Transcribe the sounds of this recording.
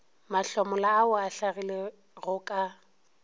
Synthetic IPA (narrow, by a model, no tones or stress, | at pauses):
maɬɔmɔlaːʊaɬaɣile | ɣʊkʼa